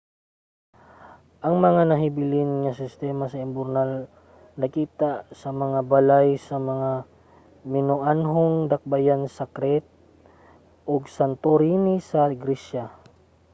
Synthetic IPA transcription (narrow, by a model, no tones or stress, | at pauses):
ʔɐŋmɐŋanɐɦɪbɪlɪnŋɐsɪst̪ɛmasɐɪmbʊɾnal | nɐkiːt̪asɐmɐŋabɐlajsɐmɐŋa | mɪnoʔanɦoŋd̪ɐk̚bajansɐkɾɛt̪̚ | ʔoɡsɐnt̪oɾinisɐɡɾiʃa